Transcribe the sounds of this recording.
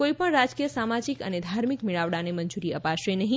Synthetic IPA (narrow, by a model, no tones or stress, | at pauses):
koipəɳɾad͡ʒkijəsamad͡ʒikə̰ned̪ʱaɾmikmiɭaʋɽaneməɲd͡ʒuɾiəpaʃenəɦĩ